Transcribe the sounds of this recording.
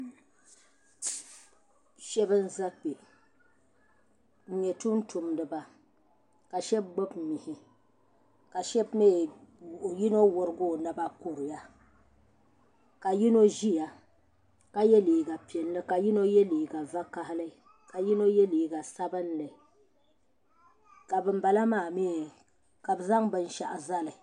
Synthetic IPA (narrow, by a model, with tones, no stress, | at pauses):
ʃɛ˦bɨ˦n̩˦za˦k͡pe˨ | ɲɛ˨tu˦n̩˦tu˨mdɨ˨ba˨ | ka˨ʃɛ˦b̚ɡ͡bo˦bmi˨hɪ˨ | ka˨ʃɛ˦bme˦˨ | ji˦no˦wʊ˨ɾɨ˦ɡʊ˦˨nɨ˦ba˦ku˨ɾɪ˨ja˦ | ka˨ji˦no˦ʒi˦ja˨ | ka˦jɛ˦liː˨ɡa˨pi˨ɛ˨n˦lɨ˦ka˨ji˦no˦jɛ˦liː˨ɡa˨va˦ka˦hɪ˦lɨ˦ | ka˨ji˦no˦jɛ˦liː˨ɡa˨sa˦bɨ˦nlɨ˨ | ka˨bɨ˦m˦ba˨la˦maː˦˨mi˦˨ | ka˨bɨ˨za˦ŋbɨ˦n˦ʃa̰˨ʔa˨za˦lɨ˨